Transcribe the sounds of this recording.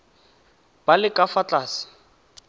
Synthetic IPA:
b̥alɪkʼafat͡ɬʼaːsɪ̥

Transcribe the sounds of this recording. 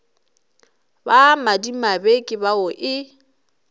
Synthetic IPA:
bamadimabekʼɪbaʊʔɪ

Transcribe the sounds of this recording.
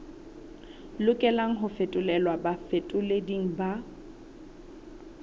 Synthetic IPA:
lʊkʼɛlaŋ̩ɦʊfetʼʊlɛlwabafetʼʊlediŋ̩ba

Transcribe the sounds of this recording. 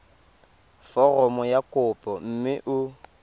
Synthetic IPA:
fɔrɔmɔjakʼʊpʼɔm̩mɪʔʊ

